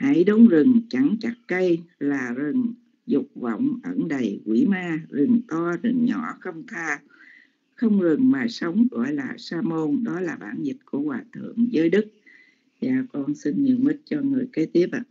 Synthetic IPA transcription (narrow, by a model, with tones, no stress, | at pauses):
hə˧˩jɗo˨˦ŋ͡mzɨ˨˩ŋt͡ɕa˧˩ŋt͡ɕa˨˩k̚kə˧jlaː˨˩zɨ˨˩ŋ | zʊ˨˩k͡p̚və̰˧˨wŋ͡mʔə˧˩nɗə˨˩jkwi˧˩maː˧zɨ˨˩ŋt̪ɔ˧zɨ˨˩ŋɲɔ̰˧˩xə˧wŋ͡mt̪ʰaː˧ | xə˧wŋ͡mzɨ˨˩ŋmaː˨˩sə˨˦wŋ͡mɣɔ̰˧˨jlaː˨˩saː˧mo˧nɗɔ˨˦laː˨˩ɓa̰ː˧˩nzi˨˩t̚ku˧˩əkwaː˨˩t̪ʰɨ̰˧˨əŋzəː˨˦jɗɨ˦˥k̚ | za̰ː˧˩kɔ˧nsi˧nɲi˧˨nmï˦˥t̚t͡ɕɔ˧ŋɨ˨˩əjke˨˦t̪i˦˥əp̚ʔa˧˨